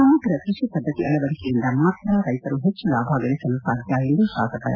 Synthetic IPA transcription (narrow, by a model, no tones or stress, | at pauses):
ɐmɐɡ̪ɾɐkɾɪʂipɐd̪ʱːɐt̪iɐlːɐbɐɭikejind̪ɐmat̪ɾaːɾɐjt̪ɐɾuɦet͡ʃːulaːbʱaːɡɐlisɐlusaːd̪ʱjaːild̪uʃaːɡɐt̪ɐ̰